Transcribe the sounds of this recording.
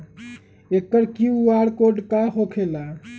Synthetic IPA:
ekːəɾkiuaɽkoɖkaɦokʰela

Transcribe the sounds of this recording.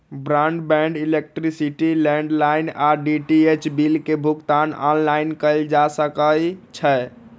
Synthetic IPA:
bɾãɳɖbɛ̃ɳɖilek̚ʈɾisiʈilɛ̃ɳɖlajnaɖiʈiet͡ʃbilkebʱukt̪anɔ̰nlainkəɪld͡ʒasəkəjt͡ʃʰə

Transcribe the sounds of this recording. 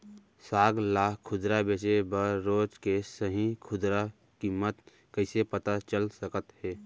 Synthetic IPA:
saːɡlaːkkʰʊd̪ɾabeːsebəɾoːt͡ʃkesəɦĩkʰʊd̪ɾa | kiːmət̪ | kəɪsepət̪at͡ʃəlsəkət̪hɛː

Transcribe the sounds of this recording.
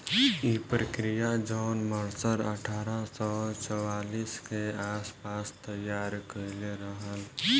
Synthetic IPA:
ipɾəkɾijad͡ʒɔːnməɾsəɾə̰ʈʰaːɾasɔːt͡ʃɔwaːliːskeaːspaːst̪əjaːɾkəlɾəɦəl

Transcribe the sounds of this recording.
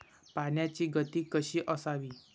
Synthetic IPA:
panjat͡ɕiːɡət̪iːkəɕiːʔəsaʋiː

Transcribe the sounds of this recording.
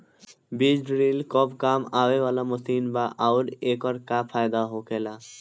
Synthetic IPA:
bid͡ʑɖɾilkɔbkamabebɔlamosinbaʔawɾekɔɾkapʰaed̪aɦokela

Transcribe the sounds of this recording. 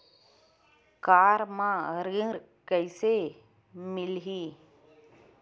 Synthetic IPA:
kaːɾmãəɾĩɾ | kəɪse | mɪlɦiː

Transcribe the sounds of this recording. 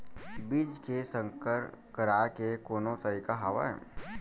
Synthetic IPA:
biːd͡ʒkesə̃ŋkəɾkəɾaːkekoːnõt̪əɾiːkaɦaʋa̰ɦɛ̰ː

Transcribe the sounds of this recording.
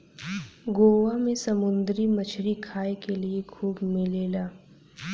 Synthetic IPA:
ɡoːʋamẽsɐmʊ̃nd̪ɾimət͡ʃʰɾikʰaːekeliekʰuːbmɪleːlaː

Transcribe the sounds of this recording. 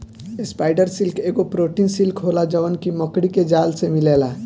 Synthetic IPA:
espaɪɖəɾsilkeːɡopɾoʈinsilkɦolad͡ʒəʋənkiməkɽiked͡ʒalsemilela

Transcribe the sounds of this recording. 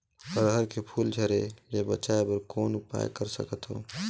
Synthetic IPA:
əɾɦəɾkʰepʰuːld͡ʒʰʱəɾejebət͡ʃaːepəɾkoːnʊpa̰ːj̰kəɾsə̰kət̪ɦo̰ː

